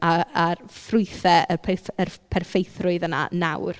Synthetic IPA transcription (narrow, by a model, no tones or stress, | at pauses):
aarfrʊɨθɛəpʰərpʰɛrfejθrʊɨðəna̰nawr